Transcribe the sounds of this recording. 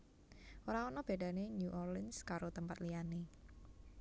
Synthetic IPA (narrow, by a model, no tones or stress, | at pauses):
ʔoɾaɔnɔb̥e̤ɖ̥a̤neɲuʔɔrlɪnskaɾot̪əmpat̪lijane